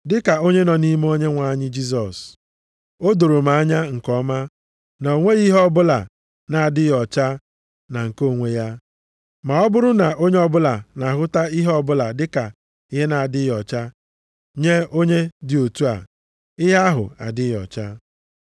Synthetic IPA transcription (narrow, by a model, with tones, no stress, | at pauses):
dɪ˦ka˨o˦ɲe˦nɔ˨ni˦m˦o˦ɲe˦ŋʷa˨˦ɲɪ˦d͡ʒi˦s̬ɔ˨s | o˦do˨ɾo˨ma˨a˦ɲa˦ŋ̩˨kɔ˦ma˦ | na˨o˨ŋʷe˦ɣi˦ɦɔ˦bʊ˦la˨ | na˨a˨dɪ˦jɔ˨t͡ʃa˦ | na˨ŋ̩˨ko˦˨ŋʷe˦ja˦ | ma˨ɔ˦bʊ˦ɾʊ˦na˨ʔo˦ɲe˦ɔ˦bʊ˦la˨na˨ɦʊ˦ta˦i˦ɦɔ˦bʊ˦la˨dɪ˦ka˨ | ɪ˦ɦe˦na˨a˨dɪ˦jɔ˨t͡ʃa˦ | ɲe˦o˦ɲe˦dɪ˨o˨tu˦a̰˨ | ɪ˦ɦa˦a˦ɦʊ̰˨a̰˨dɪ˦jɔ̰˨t͡ʃa˦